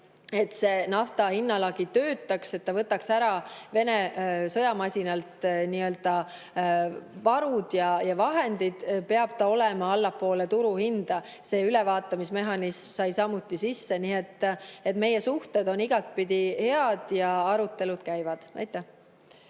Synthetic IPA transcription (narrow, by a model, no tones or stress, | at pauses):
e̞t̪se̞nɑft̪ɑhinːɑlɑɡit̪ø̞ːt̪ːˑɑkse̞t̪ːɑvɤt̪ːˑɑksæɾɑve̞ne̞sɤjɑmɑsʲinɑlt̪niø̞ld̪̥ɑ | vɑɾud̪̥jɑjɑvɑɦe̞nd̪id̪̥pe̞ɑb̥̚t̪ɑo̞lemɑɑlːɑpːˑo̞ːlet̪uɾuhind̪̥ɑ | se̞ːylevɑːt̪ːˑɑmisme̞ɦɑnismsɑjsɑmut̪ːisisːe̞niːet̪ːˑe̞t̪me̞je̞suht̪ed̪o̞niɡ̥ɑt̪̚pid̪̥ihe̞ɑd̪̥jɑɑɾut̪ːe̞lud̪̥kæjvɑd̪̥æ̰jt̪ːˑe